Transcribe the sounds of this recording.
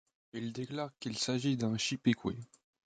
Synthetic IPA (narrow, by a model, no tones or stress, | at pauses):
ild̪eklaʁkilsaʒid̪ɛ̃ʃipekwe